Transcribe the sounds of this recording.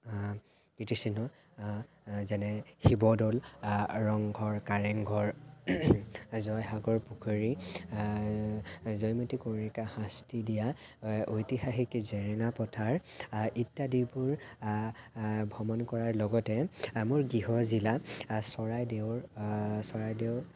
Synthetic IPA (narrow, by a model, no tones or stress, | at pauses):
kitisinɔ | zɛnɛxibɔdɔlɹɔŋɡʱɔɹkaɹɛŋɡʱɔɹ | zɔjɦaɡɔɹpukʰoɹi | zɔjmotikoikhãstidijaojtihaxikzɛɹɛŋapɔtʰaɹʔitːadibuɹ | bʱɔmɔnkɔɹaɹlɔɡɔtɛmʊɹɡiɦɔzilasɔɹajdewɹsɔɹajdeʊ